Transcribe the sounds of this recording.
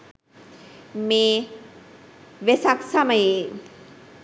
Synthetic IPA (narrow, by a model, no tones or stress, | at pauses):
meː | ʋesaksaməjeː